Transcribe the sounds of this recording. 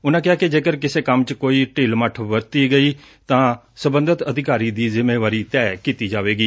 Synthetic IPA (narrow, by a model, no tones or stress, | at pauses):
ʊnãːkɪaːkɪd͡ʒeːkəɾkɪseːkəmt͡ʃkoːiːʈiːlməʈʰʋəɾt̪iːɡəiː | t̪ãː | səbə̃nd̪ət̪əd̪ʱɪkaːɾiːd̪iːzɪmeːʋaːɾiːt̪ɛːkiːt̪iːd͡ʒaːʋeːɡiː